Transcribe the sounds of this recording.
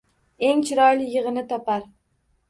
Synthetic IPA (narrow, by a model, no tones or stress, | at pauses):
e̞ŋt͡ʃʰɪɾɒjlɪjːɪʁɨnɪt̪ʰɒpaɾ